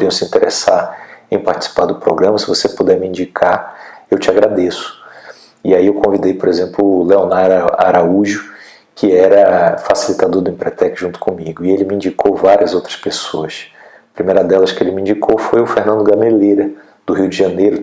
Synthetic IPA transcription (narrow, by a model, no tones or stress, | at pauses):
ɾiɐ̃w̃sĩt̪eɾḛsaɾẽj̃paɾt͡ʃi̥si̥paɾd̪ʊpɾo̰ɡɾɐ̃mɐsɪvosepud̪ɛɾmiĩɲd͡ʒikʰaewt͡ʃɪaɡɾad̪esʊ̥ | iaiewkõvid̪ejpoɾezẽmplʊleonaa̰ɾauʒʊ | kʰɪɛɾɐfasilit̪ad̪oɾd̪ʊẽpɾɛt̪ɛkʒũt̪ʊ̥kõmiɡʊɪelɪmiĩd͡ʒikowvaɾiɐzowt̪ɾɐspesoɐs | ɐpɾimejɾɐd̪ɛlɐskɪelɪmiĩɲd͡ʒikʰowfojʊfehnɐ̃d̪ʊɡɐmeleɾɐ | d̪̥ʊɦiwd͡ʒɪʒɐ̃nejɾʊ